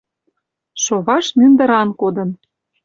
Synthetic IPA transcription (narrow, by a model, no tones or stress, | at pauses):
ʃoβɑʃnynd̪ə̆ɾɑnkod̪ə̆n